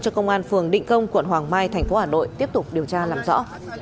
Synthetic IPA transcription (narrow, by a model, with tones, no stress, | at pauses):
t͡ɕɔ˧kə˧wŋ͡mʔaː˧nfɨ˨˩əŋɗḭ˧˨ŋ̟kə˧wŋ͡mkwə̰˧˨nɦwaː˨˩ŋmaː˧jt̪ʰɛ˨˩jŋ̟fo˨˦haː˨˩no̰˧˨jt̪i˦˥əp̚t̪ʊ˨˩k͡p̚ɗi˨˩əwt͡ɕaː˧laː˨˩mzɔ̰˧˥